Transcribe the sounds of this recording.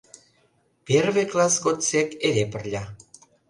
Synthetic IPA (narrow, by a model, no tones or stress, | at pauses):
pjerβeklɑsɣot͡sekeɾepə̆rlʲɑ